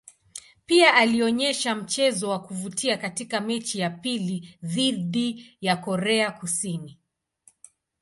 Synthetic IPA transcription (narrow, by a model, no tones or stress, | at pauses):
piaʔaliɔɲɛʃam̩t͡ʃɛzɔwakuvutiakatikamɛt͡ʃijapiliðiðijakɔɾɛakusini